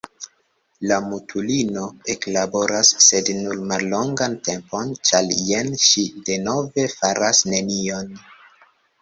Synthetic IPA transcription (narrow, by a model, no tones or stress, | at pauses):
lamutʰulino̞e̞klabo̞ɾasːe̞dnulmalːo̞ŋɡante̞mpo̞nt͡ʃaljenʃide̞no̞ve̞faɾasne̞nio̞n